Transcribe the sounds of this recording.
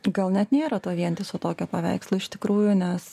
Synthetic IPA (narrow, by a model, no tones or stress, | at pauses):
ɡɐlˠnʲɛt̪nʲeːɾɐt̪uɔʋʲiɛnʲt̪ʲɪsʊt̪oːkʲoːpɐʋʲɛ̰ɪkslˠʊɪʃt̪ʲɪkɾuːjʊnʲɛs